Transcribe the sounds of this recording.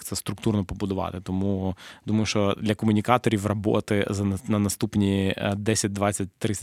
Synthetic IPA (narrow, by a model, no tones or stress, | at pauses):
t̪sɛst̪ɾʊk̚t̪urnɔpɔbʊd̪ʊʋɑ̰t̪ɪt̪ɔmud̪umɐjʊʃɔd̪lʲɐkɔmʊnʲɪkɑt̪ɔɾʲiʋrɐbo̰t̪ɪzɐnɐnɐst̪upnʲid̪ɛsʲɪt̚ʲd̪ʋatt͡sʲːɐt̚ʲt̪ːɾɪ